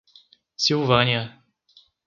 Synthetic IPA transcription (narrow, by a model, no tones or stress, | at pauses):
siwvɐ̃niɐ